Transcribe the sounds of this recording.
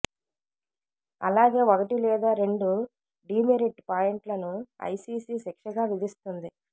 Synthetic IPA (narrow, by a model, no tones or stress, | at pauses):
ɐ̰laːɡeːɔkɐʈilɛːd̪aːɾe̞ɳɖu | ɖiːmeɾiʈpaːjeɳʈlɐnuɐ̰jsiːsiːsɛkʂɐɡaːʋid̪ist̪und̪i